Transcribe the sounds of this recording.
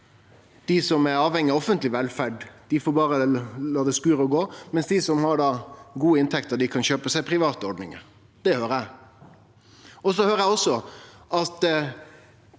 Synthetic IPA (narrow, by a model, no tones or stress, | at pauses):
d̪̥ɪsɔmæɾɑːʋhɛŋːɪɔfənt̪lɪʋɛlfæɖd̪̥ɪfoːɾbɑːɾəlɑːd̪ɛskʉːɾəɔɡoːmɛnsd̪ɪsɔmhɑɖɑːɡuːəɪnt̪ʰɛkt̪əɾɖ̪ɪkʰɑnɕøːpəsæɪpʰɾɪʋɑːt̪əɔɾɖnɪ̰ŋə̰ɾ | d̪̥ɛhøːɾæɪ | ɔsɔhøːɾəjæɪɔsːɔʔɑt̪